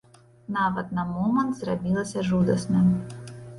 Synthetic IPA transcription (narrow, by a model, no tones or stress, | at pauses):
nɑʋɐt̪nɐmɔmɐnt̪zrɐbʲilˠɐsʲɐʐud̪ɐsmɛ